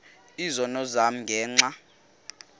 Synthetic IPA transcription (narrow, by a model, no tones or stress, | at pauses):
izɔnɔzam̩ŋɡʱɛːŋ͡ǀa